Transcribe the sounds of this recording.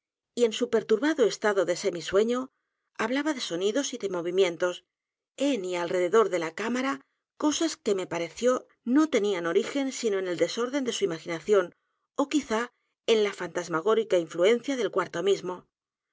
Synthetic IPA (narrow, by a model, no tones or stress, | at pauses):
ie̞nsupe̞ɾt̪uɾβaðo̞e̞st̪aðo̞ðe̞se̞miswe̞ɲo̞ | aβlaβaðe̞so̞niðo̞siðe̞mo̞β̞imjẽ̞nt̪o̞s | enialre̞ðe̞ðo̞ɾðe̞lakamaɾa | ko̞saske̞me̞paɾe̞θjo̞ | no̞t̪e̞niano̞ɾixe̞nsino̞ene̞ld̪e̞so̞ɾðe̞nd̪e̞suimaxinaθjo̞n | o̞kiθa | e̞nlafant̪azmaɣ̞o̞ɾikaiɱflue̞nθjaðe̞lkwaɾt̪o̞mizmo̞